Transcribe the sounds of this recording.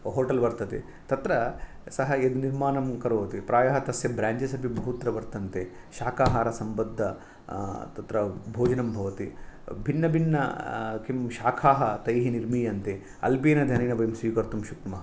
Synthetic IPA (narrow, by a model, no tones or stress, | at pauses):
ɦoːʈɐlʋɐɾt̪ɐt̪e | t̪ɐt̪ɾɐ | sɐɦɐed̪uniɾmaːnɐmkɐɾoːʋɐt̪ipɾʔaːjɐɦɐt̪ɐsjɐbɾaːɲd͡ʒɐsɐbʱibʱɐɦut̪ɾɐʋɐɾt̪ɐnt̪e | ʃaːkʰaːɦaːɾɐsɐmbɐd̪ʱːɐ | t̪ɐt̪ɾɐbʱoːd͡ʒɐnɐmbʱɐʋɐt̪ibʱinːɐbʱinːɐ̰kimʃaːkʰaːɦɐt̪ɐjɦiniɾmijɐnt̪e | ɐ̰lpeːnɐd̪ʱɐnɐːnɐbɐjmsʋiːkɐɾt̪umʃukmɐɦɐ